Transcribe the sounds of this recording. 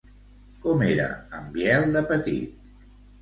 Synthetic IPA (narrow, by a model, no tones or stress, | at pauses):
kɔmeɾə̰əmbjɛlˠd̪əpət̪ḭt̪̚